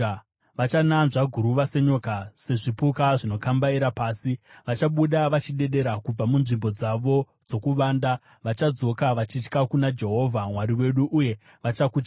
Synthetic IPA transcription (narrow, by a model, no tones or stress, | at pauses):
ʋat͡ʃananʐaɡʱuɾuʋase̞ɲokase̞ʐipukaʐino̞kambaiɾapaːsiʋat͡ʃaɓuɗaʋat͡ʃiɗe̞ɗe̞ɾakub͡vamunʐimbo̞d͡zaʋo̞ | d͡zo̞kuʋaːnda | ʋat͡ʃad͡zo̞kaʋat͡ʃit͡ʃkakunad͡ʒe̞ɦo̞vʱamwaɾiwe̞ɗuʔuje̞ | ʋat͡ʃakut͡ʃa